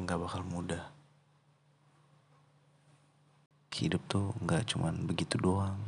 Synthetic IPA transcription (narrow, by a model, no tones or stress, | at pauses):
ŋɡaʔbakalmudah | kəḭdʊp̚t̪uŋɡaʔt͡ʃumʔanbəɡit̪udoaŋ